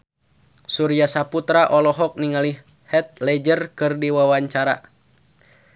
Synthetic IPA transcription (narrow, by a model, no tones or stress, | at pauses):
suɾiasaput̪ɾaʔɔlɔɦɔk̚niŋali | hɛt̪̚lɛd͡ʒərkɨrdiwawaɲt͡ʃaɾa̰